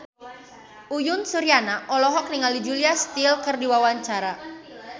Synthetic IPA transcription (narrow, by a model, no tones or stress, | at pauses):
ʔujʊnsuɾianaʔɔlɔɦɔk̚niŋalid͡ʒuliast̪ilkərdiwawaɲt͡ʃaɾa